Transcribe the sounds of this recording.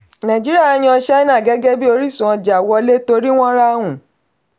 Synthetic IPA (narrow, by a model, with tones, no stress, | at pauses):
nã˨d͡ʒi˦ɾi˦a˦˨˦j̃ĩ˦ɔ˧ʃɛ˦nã˦˨ɡɛ˦ɡɛ˦bi˦o˧ɾi˦˨sũ˨ɔ̃˧d͡ʒa˨wɔ˧le˦to˧ɾi˦w̃ɔ̃˦ɾa˦wũ˨